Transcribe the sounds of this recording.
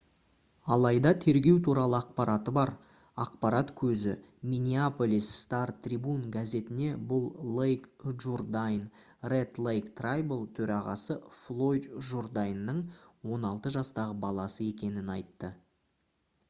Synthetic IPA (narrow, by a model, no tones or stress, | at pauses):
ɑlˠɑjd̪ɑt̪ʰe̞ɾɡʲe̞wt̪ʰuɾɑlˠəɑq̚pɑɾɑt̪əbɑɾ | ɑqpɑɾɑt̪kʲʰɵzɪ̰ | minʲiapo̞lisːt̪art̪ʰrʲibunɡaze̞t̪ɪne̞bʊlˠlejkʒurd̪ajn | ret̪lˠejkt̪rajbəlˠt̪ʰɵɾɑʁɑ̰səflˠo̞jd̪ʒord̪ajnːəɴwo̞nɑlˠt̪əʒɑst̪ɑʁəbɑlˠɑsəe̞kʲe̞nɪnɑjt̪ːə